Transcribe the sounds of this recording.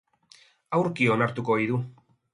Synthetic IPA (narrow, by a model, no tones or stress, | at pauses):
awɾkio̞naɾt̪uko̞ijðu